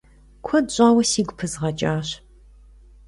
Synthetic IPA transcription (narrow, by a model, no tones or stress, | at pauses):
kʷʰɔdɕʷʼaːwɐsiːɡʷʊpʰɨzʁɐt͡ʃʼaːɕ